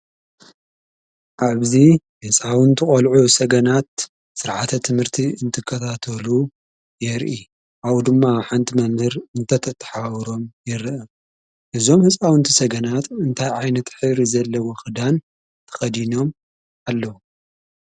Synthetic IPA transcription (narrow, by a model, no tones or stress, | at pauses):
ʔaβzi | hɨsʼawɨnt̪ʰɨχʼɐlʕusɐɡɐnat̪̚ | sɨɾʕat̪ʰɐt̪ʰɨmhɨɾt̪ʰiɨnt̪ʰɨkʰːɐt̪ʰat̪ʰɐlu | jɛɾʔi | ʔawd̪ɨmːaħant̪ʰimɐmhɨɾɨnt̪ʰɐt̪ʰɐt̪ʰːɐ̥ħawɾo̞mjɛɾʔɐ | ʔɨzo̞mhɨsʼawɨnt̪ʰisɐɡɐnat̪ɨnt̪ʰajʕajnɐt̪ħɨβɾizɐlːɐwoxɨd̪an | t̪ʰɐ̥xɐd̪ino̞m | alːɐwu